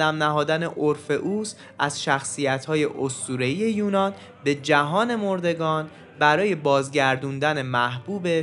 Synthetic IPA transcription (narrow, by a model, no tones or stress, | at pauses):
æmnæɦɒːd̪æne̞ʔoɾfe̞ʔuːs | ʔæzʃæxsijæt̪ʰhɒːje̞ʔost̪uːɾe̞ije̞juːnɒːn | be̞d͡ʒæɦɒːne̞mo̞ɾd̪e̞ɡɒːn | bæɾɒːje̞bɒːzɟæɾd̪und̪æne̞mæhb̥uːbe̞